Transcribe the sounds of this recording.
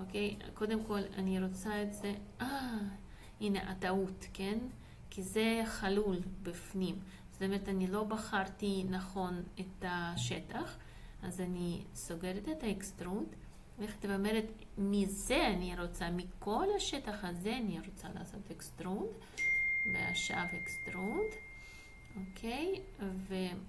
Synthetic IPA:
okejko̞d̪emko̞la̰niɾot͡saetzeʔa | ineʔat̪aut̪ken | kizeχalulbifnim | z̥ot̪omeɾet̪anilo̞baχaɾt̪inaχo̞net̪aʃet̪aχ | azanisoɡeɾet̪et̪aekst̪ɾund̪ | leχat̪evameɾet̪ | mizeaniɾot͡samikʰo̞laʃet̪aχazeaniɾot͡sala̰ːso̞t̪ekst̪ɾund̪ | lea̰ʃa̰vekst̪ɾund̪ | okʰejve

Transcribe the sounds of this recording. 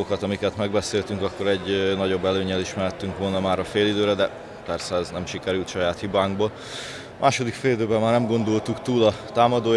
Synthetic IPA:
okɒt̪ɒmikɛt̪mɛɡbɛseːlt̪yŋkɒkːo̞ɾɛɟːnɒɟo̞bːɛløːɲɛliʃmɛɾɛt̪ːyŋkʋo̞lnɒmaːɾɒfeːlid̪øːɾɛd̪ɛ | pɛrsɛɛznɛmʃikɛɾylt̪ʃɒjaːt̪hibaːŋɡboːl | mʔaːʃo̞d̪ikfeːlid̪øːbɛmmaːrnɛmɡo̞nd̪olt̪ukt̪uːlɒt̪aːmɒd̪oː

